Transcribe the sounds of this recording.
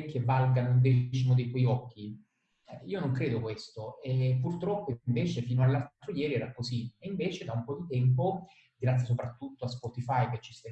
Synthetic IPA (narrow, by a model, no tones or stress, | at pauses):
k̟ʰːevːalɡanound̪ɛːt͡ʃimod̪ejt̪wɔjɔkʰːi | iːonoŋkɾeːd̪okwest̪oepːurt̪ɾɔpːoɱveːt͡ʃefiːnoalːalt̪ːɾojɛːɾiɛːɾakːosieiɱveːt͡ʃed̪aumpɔd̪it̪ɛmp̬o | ɡɾat̪sːjas̬opɾat̪ːut̪ːoaspɔt̪ifajk̟et͡ʃːi̥st̪ɛ